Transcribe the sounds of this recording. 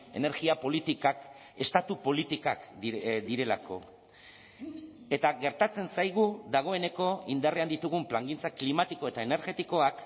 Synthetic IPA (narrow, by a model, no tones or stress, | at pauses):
e̞̰ne̞ɾɣiapo̞lit̪ikak | e̞st̪at̪upo̞lit̪ikakd̪iɾe̞la̰kʰo̞̰ | e̞t̪aɣe̞ɾt̪at͡se̞nsajɣ̞uðaɣ̞o̞e̞ne̞ko̞ind̪areand̪it̪uɣ̞umplaŋɡint͡saklimat̪iko̞e̞t̪ae̞ne̞ɾɣe̞t̪iko̞ak